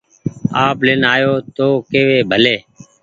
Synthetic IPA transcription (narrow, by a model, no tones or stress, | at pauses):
aːplɪnaːjoːt̪oːkeːʋeːbʱəleː